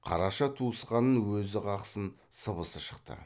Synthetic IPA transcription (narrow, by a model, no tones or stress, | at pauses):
qʰɑ̰ɾɑʃɑt̪ʰuəsqɑnənwɵzɪqʰɑqsən | səbəsəʃə̥qt̪ə̰